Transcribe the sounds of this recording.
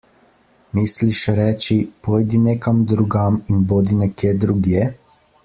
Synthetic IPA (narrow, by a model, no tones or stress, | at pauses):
misliʃɾɛːt͡ʃipojd̪inekamd̪ɾuɡaminboːd̪inɛkjeːd̪ɾuɡje